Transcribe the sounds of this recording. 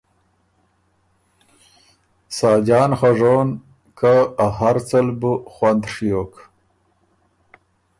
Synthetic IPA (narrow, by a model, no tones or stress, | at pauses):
sɑːd͡ʑɑːnχaʐoːn | kaahaɾt͡səlbuxwand̪ʂjoːk